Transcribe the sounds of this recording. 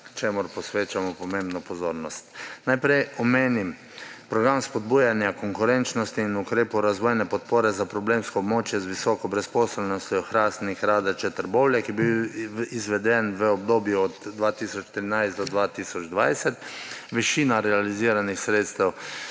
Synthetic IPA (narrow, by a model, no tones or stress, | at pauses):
kt͡ʃemʊɾpɔsʋeːt͡ʃamɔpɔmẽːmbnɔpɔzoːɾnɔst̪najpɾɛjɔmeːnim | pɾɔɡɾamspɔd̪̚buːjanjakɔŋkʊɾɛnt͡ʃnɔst̪iːnukɾeːpɔwɾazʋɔːjnɛpɔt̪poːɾɛzapɾɔbleːmskɔːbmoːt͡ʃjɛzʋisɔːkɔbɾɛspɔːsɛlnɔst̪ʲjɔxɾaːsnixɾaːd̪ɛt͡ʃɛt̪əɾboːwljɛkibiwizʋɛd̪ɛnʋəɔb̚d̪oːbjuɔd̪d̪ʋaːt̪iːsɔt͡ʃt̪ɾinajst̪ɔd̪ʋaːt̪iːsɔd͡ʒd̪ʋajsɛt̪ʋɛʃiːnaɾɛaliziːɾanixsɾeːt̪st̪ɛw